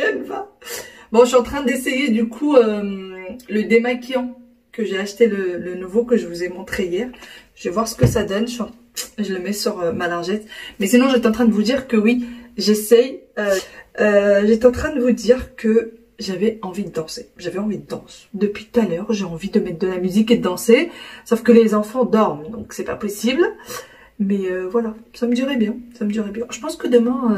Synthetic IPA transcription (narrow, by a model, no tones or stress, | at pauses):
ɛvabɔ̃ʃɥiɑ̃t̪χɛ̃d̪esejed̪ykʰuømləd̪emakjɑ̃ | kəʒeaʃt̪elələnuvokəʒəvuzɛmɔ̃t̪χeijɛʁʒ̥əvɛvwaʁsə̥kəsad̪ɔnʃəɥiɑ̃ | ʒələmɛsyʁømalaʁʒɛsmɛsinɔ̃ʒɛt̪ɑ̃t̪χɛ̃d̪əvud̪iʁkəwiʒesɛjøøʒɛt̪ɑ̃t̪χɛ̃d̪əvud̪iʁkə | ʒavɛɑ̃vid̪əd̪ɑ̃seʒavɛɑ̃vid̪əd̪ɑ̃sd̪əpɥit̪ut̪alœːʁʒeɑ̃vid̪əmɛt̪χ̚d̪əlamyziked̪əd̪ɑ̃sesofkəlezɑ̃fɑ̃d̪ɔʁmd̪ɔ̰̃ksɛpa̰pɔsibl | mɛøvwalasaməd̪yʁɛbjɛ̃saməd̪yʁɛbjɛ̃ʒ̥əpɑ̃skəd̪əmɛ̃ø